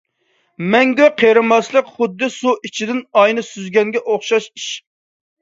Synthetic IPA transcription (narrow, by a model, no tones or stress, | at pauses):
mɛŋɡʲøqʰeɾɨmɑslˠəqχʊd̪ːɨsuʔit͡ʃʰid̪ɪnɑjnɨsyzɡʲɛŋɡʲɛʔoχʃɑʃiʃ